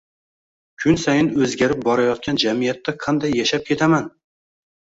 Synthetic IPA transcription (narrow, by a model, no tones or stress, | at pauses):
kʲʰʊnsajɪnɵzɡʲaɾɪp̚bɒɾajɒt̪̚kʲand͡ʒamijat̪ːaqʰɑnd̪ajːaʃap̚kʲʰe̞t̪ʰaman